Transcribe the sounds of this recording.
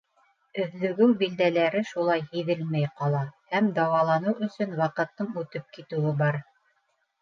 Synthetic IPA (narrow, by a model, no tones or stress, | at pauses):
ɵ̆ðlɵ̆ɡɵwbild̪ælæɾɘʃulˠɑjhiðɘlmæjqɑlˠɑhæmd̪ɑwɑlˠɑnɤwɵ̆sɵnwɑqɤ̆t̪ːɤɴʉt̪ɘp̚kit̪ɘ̆wɘbɑɾ